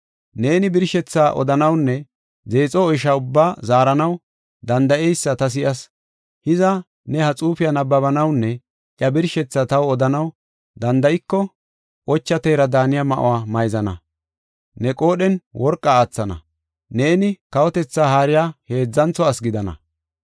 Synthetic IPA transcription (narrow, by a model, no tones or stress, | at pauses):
ne̞ːnɪbɪɾʃɛt͡sːaːʔɔ̰d̪ɐnɐwnːɛ | ze̞ːt͡sʼɔːjʃaːʊbːaːzaːɾɐnɐw | d̪ɐnd̪ɐʔɛjsːɐt̪ɐs̬ɪjɐs | hɪzɐ | nɛhɐt͡sʼuːfɪjɐnɐbːɐbɐnɐwnːɛ | ʔjɐbɪɾʃɛt͡sːat̪ɐwɔd̪ɐnɐw | d̪ɐnd̪ɐjɪkːɔ | ʔɔt͡ʃːɐt̪eːɾɐd̪aːnɪjamɐʔɔ̰waːmɐjzɐnɐ̰ | nɛkʼo̞ːɗɛnwʔɔɾkʼːaːt͡sːɐnɐ̰ | ne̞ːnɪkɐwɔt̪ɛt͡sːaːhaːɾɪjaːhe̞ːd͡zːɐnt͡sɔɐsɡɪd̪ɐnɐ̰